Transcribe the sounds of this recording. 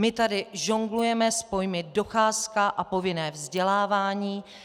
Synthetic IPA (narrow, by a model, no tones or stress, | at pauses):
mɪt̪adɪʒoŋɡlujɛmɛspo̞jmɪdo̞xaːskaʔapo̞vɪnɛːvzɟɛlaːvaːɲiː